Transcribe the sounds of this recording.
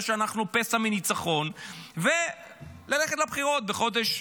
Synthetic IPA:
ʃeanaχnupesaminit͡saχo̞nve | laleχetlabχiʁo̞t̪̚beχo̞d̪eʃ

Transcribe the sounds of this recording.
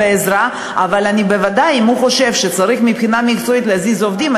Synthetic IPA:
eezɾa | avalanibevad̪ajimhuχo̞ʃe̞vʃet͡saɾiχmipχinamikt͡soit̪leazizovd̪ima

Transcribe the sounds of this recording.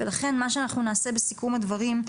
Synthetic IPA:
velaχe̞nmaʃ̬eanaχnunaːse̞be̞sikumad̪vaʁim

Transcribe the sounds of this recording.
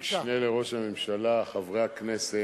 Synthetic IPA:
ʃneleʁo̞ʃhamemʃalaχavʁeaknese

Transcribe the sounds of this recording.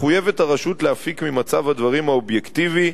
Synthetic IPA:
χuje̞ve̞taʁaʃutleafikmimat͡savhad̪vaʁimaobjekt̪ivi

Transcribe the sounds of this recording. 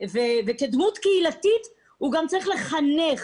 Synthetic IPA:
veveked̪mut̪keilatit̪ | huɡamt͡saʁiχleχaneχ

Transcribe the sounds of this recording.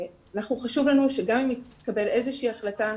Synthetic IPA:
anaχnuχaʃuvlanuʃe̞ɡamimit̪kabe̞le̞zeʃiiːaχlata

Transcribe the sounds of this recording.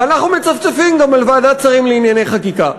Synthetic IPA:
anaχnumet͡saft͡safimɡamalvaːdat͡saʁimleinjane̞jχakika

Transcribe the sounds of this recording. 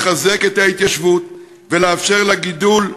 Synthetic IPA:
χaze̞ke̞t̪hait̪jaʃvut̪̚ | veleafʃe̞ʁlaɡid̪ul

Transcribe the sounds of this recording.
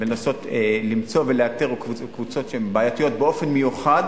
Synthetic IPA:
lenaso̞t̪elimt͡so̞veleat̪eʁkvukvut͡so̞tʃeembaːjat̪ijo̞t̪beo̞fe̞nmejuχad

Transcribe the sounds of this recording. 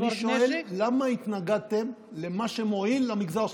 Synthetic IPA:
ʃoelːamait̪naɡad̪̚t̪e̞m | le̞maʃemoinlamiɡzaʁ

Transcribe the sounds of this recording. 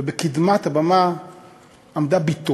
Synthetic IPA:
ebekid̪mat̪abama | amd̪abit̪o

